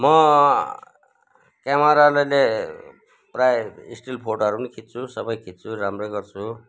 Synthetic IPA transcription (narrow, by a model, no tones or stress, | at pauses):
mʌ | kjamaɾalajle | prajḭsʈilpʰoʈoɦʌɾupʌnikʰit̪̚t͡sʰusʌbʌjkʰit̪̚t͡sʰuɾamrojɡʌrt͡sʰu